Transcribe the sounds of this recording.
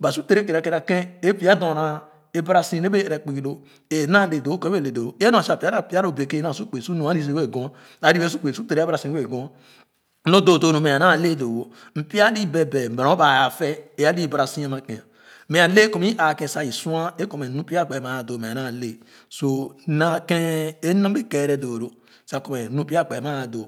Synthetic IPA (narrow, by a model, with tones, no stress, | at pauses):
ba˨su˦te˨ɾe˦ke˨ɾa˨ke˨ɾa˨kẽ˦e˦pi˦a˦dõ˨ɾa˨ | e˨ba˦ɾa˨sĩ˦ne˦be˦˨ɾe˨k͡pi˨ɡi˨lo˦ | e˨na˦˨le˨do˨˦ke˦˨le˨do˨˦e˦nõ˨˦a˨pi˦a˦ɾa˦˨pi˦a˦ɾo˦˨be˨ke˦na˦˨su˦k͡pe˨su˦nũ˨˦a˦i˦s̬e˨we˦˨ɡõ˦ | a˨˦ɾi˦e˦s̬u˦k͡pe˨su˦te˨ɾe˦ɾa˨sĩ˨˦we˦˨ɡõ˦ | no˦do˨do˨nu˨me˨a˨na˦˨le˦˨do˨wo˨ | m̩˨pi˦a˦li˦be˨be˨m̩˨be˨ɾõ˨˦ba˨ja˨fɛ˦e˦a˦li˦ba˨ɾa˨si˦a˦ma˨kẽ˨a˨˦ | mẽ˨a˨le˦ko˨m˦i˦ʔa˨kẽ˨sa˨i˨su˦a˦e˦ko˨me˨nũ˦pi˦a˦˨k͡pe˨ma˨a˨do˨me˨a˨na˦˨le˦ | so˦˨˦na˦ke˦e˦na˦e˦ke˨ɾe˦do˨ɾo˨ | sa˨ko˨me˨nũ˦pi˦a˦˨k͡pe˨ma˦a˨do˨